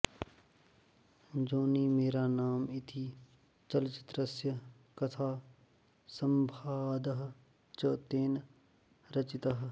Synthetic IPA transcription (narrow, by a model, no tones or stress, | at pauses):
d͡ʒoːniːmeːɾaːnaːmɪt̪ʰiː | t͡ʃɐlt͡ʃɪ̥t̪ɾəsjə | kɐt̪ʰaː | sɐmbʱaːd̪əɦ | t͡ʃoːt̪eːn | ɾɐt͡ʃɪt̪ɐɦ